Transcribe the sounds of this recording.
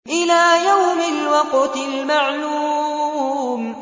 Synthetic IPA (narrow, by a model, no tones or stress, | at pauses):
ʔɪlaːjawmɪlwɑqt̪ɪlmaʕluː | m